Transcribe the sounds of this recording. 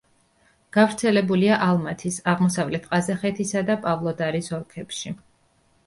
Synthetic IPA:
ɡ̥avɾt̪sʰɛlɛbuliaʔalˠmat̪ʰisaʁmɔsavlɛt̪ʰqʼazaχɛt̪ʰisad̪apʼavlˠɔd̪aɾisɔɾkʰɛpʃi

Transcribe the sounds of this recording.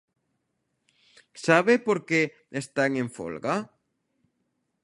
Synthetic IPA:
saβepoɾke | est̪aŋẽɱfo̰lɣa

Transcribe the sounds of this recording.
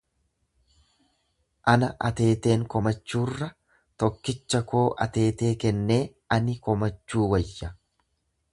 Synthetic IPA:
ʔɐnɐʔɐt̪e̞ːt̪e̞ːŋkɔmɐt͡ʃːuːrːɐ | t̪ɔkːɪt͡ʃːɐkʰoːʔɐt̪e̞ːt̪e̞ːkɛnːe̞ː | ɐnɪkɔmɐt͡ʃːuːwɐjːɐ

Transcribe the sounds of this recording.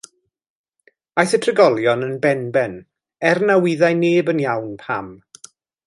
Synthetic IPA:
ajθətʰrəɡɔlˠjɔnənbɛnbɛn | ɛrnawɪðajneːbənjawnpʰam

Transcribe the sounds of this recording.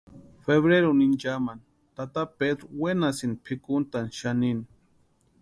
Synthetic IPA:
feβɾeɾunind͡ʒaman | t̪at̪aped̪ɾowenasinpʰikʊnt̪anʃanini

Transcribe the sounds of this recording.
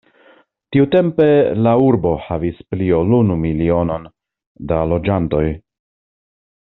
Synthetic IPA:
tiute̞mpe̞lauɾbo̞havispliolunumilio̞no̞n | dalo̞d͡ʒanto̞j

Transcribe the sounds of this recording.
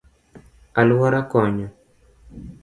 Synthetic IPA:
alwaɾakɔɲɔ

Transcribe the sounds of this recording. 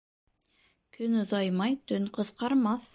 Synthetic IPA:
kɵnŏðɑjmɑjt̪ɵnqɤ̆sqɑɾmɑθ

